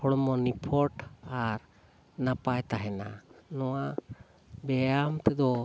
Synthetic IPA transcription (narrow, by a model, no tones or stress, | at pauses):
ɔɽɔmɔnipʰɔʈaɾ | napajt̪aɦɛnanɔwa | bɛjamt̪ɛd̪ɔ